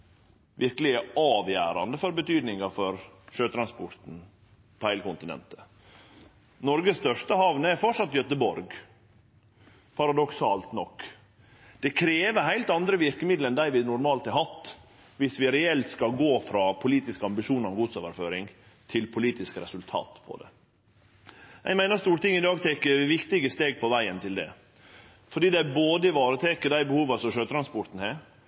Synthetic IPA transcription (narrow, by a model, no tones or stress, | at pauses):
ʋɪɾkəlɪəɑːʋjæ̰ːɾɑ̰nd̪əfɔɾbət̪ʰyːd̪nɪŋɑfɔɾʂøːt̪ʰɾɑnspɔɾt̪n̩ | pʰɔhæɪləkʊnt̪ɪnɛ̰nt̪ə̥ | nɔɾɡəst̪œʂtəhɑʋnəɛɾfɔʈʂɑt̪ːjœt̪əbɔɾɡ | pʰɑɾɑd̪ɔksɑːlt̪nɔkː | d̪̥ɛkʰɾeːʋəɾɦæɪlt̪ɑnd̪ɾəʋɪɾkəmɪd̪lɛnd̪æɪʋɪnʊɾmɑːlt̪ɑɦɑt̪ː | ʋɪsʋɪɾɛɛlt̪skɑlɡoːfɾɑːpʰʊliːt̪ɪskəɑmbɪʂuːnəɾɔmɡuːd̪soːʋə̰ɾføːɾɪŋ | t̪ʰɪlpʰʊliːt̪ɪskəɾɛsʉlt̪ʰɑ̰ːt̪pʰɔ̰d̪ɛ̰ | jæ̰ɪmæɪnəɾst̪uːɾəʈ̪ɪŋːɪd̪ɑːɡt̪ʰɛkəʋɪkt̪ɪɡəst̪eːɡ̚pʰɔʋæɪənt̪ʰɪld̪ɛ̰ | fɔɖiːd̪ɛæboːd̪əɪʋɑːɾət̪ʰɛkəd̪æɪbəhuːʋɑsɔmʂøːt̪ʰɾɑnspɔɾt̪n̩heːɾ